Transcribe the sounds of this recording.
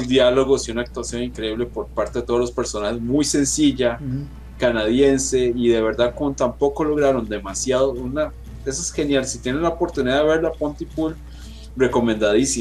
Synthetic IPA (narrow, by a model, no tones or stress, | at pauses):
ld̪jalo̞ɣosiunaːk̚t̪wasjo̞nĩŋkɾe̞iβle̞po̞ɾpaɾt̪e̞ðet̪o̞olo̞spe̞ɾso̞nahezmujse̞nsiʝa | kanaðje̞nse̞iðe̞βe̞ɾd̪akont̪ampo̞ko̞lo̞ɣɾaɾo̞nd̪e̞masjaðouna | e̞s̬oesxe̞njalsit̪je̞nenlaopo̞ɾt̪uniðaðeβe̞ɾlapont̪ipul | re̞ko̞mẽ̞nd̪aðisi